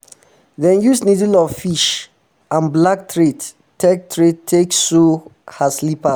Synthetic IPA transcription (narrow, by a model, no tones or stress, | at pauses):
ðɛ̃njusnidilɔvfiʃ | ãnblak̚tʰɹet | tːɛk̚tʰɹettʰekssuhaslipa